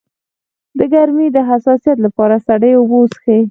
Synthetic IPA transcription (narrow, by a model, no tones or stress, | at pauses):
d̪əɡaɾmid̪əɦasɑsijat̪̬lapɑɾasaɽəjobosxe